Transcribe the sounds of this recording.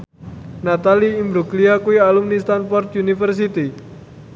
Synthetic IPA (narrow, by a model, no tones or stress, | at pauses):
nat̪aliimbɾukliakuialumnist̪anfɔrt̪junifərs̬it̪i